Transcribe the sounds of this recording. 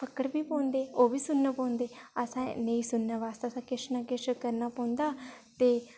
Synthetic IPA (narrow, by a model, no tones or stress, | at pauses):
pʰəkːəɽbiːpõːnd̪eːoːbiːsʊnːaːpõːnd̪eːəsãːnəĩːsʊnːaːʋaːst̪aːsãːkɪʃnaːkɪʃkəɾnaːpɔ̃ːnd̪aːt̪eː